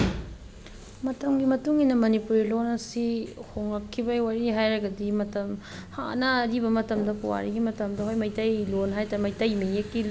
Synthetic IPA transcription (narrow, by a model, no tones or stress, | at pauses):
mɐtɐmɡimɐtuŋinɐmɐnipuɾilonɐsihoŋakʰːibɐwaɾiɦajɾɐɡɐdimɐtɐmha̰nɐɾibɐmɐtɐmdɐkuwa̰ɾiɡimɐtɐmdɐɦojmɐjtɐjlonɦajtaɾɐmɐjtɐjmejekːi